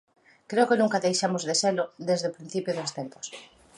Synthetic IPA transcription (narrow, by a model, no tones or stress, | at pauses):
kɾeokɪnũŋkaðejʃamozðeselʊðezðeopɾin̟θipjoðost̪empo̥s